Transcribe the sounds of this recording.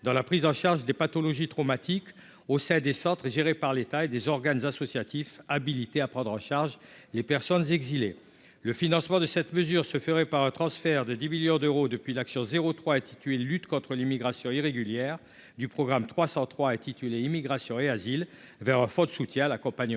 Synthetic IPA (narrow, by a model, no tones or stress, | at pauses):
d̪ɑ̃lapχizɑ̃ʃaʁʒd̪epat̪ɔlɔʒit̪χɔmat̪ʰik | osɛ̃d̪esɑ̃t̪χəʒeʁepaʁlet̪aed̪ezɔʁɡanzasɔsjat̪ifabilit̪eapχɑ̃d̪ʁɑ̃ʃaʁʒ | lepɛʁsɔnzɛɡzile | ləfinɑ̃smɑ̃d̪əsɛt̪məzyʁsəfəʁɛpaʁɛ̃t̪χɑ̃sfɛʁd̪əd̪imiljɔ̃d̪øʁod̪əpɥilaksjɔ̃zeʁot̪χwaɛ̃t̪it̪yelyt̪kɔ̃t̪χəlimiɡʁasjɔ̃iʁeɡʲyljɛʁ | d̪ypχɔɡʁamt̪χwasɑ̃t̪χwaɛ̃t̪it̪yleimiɡʁasjɔ̃eazil | vɛʁɛ̃fɔd̪əsut̪jɛ̃alakɔ̃paɲ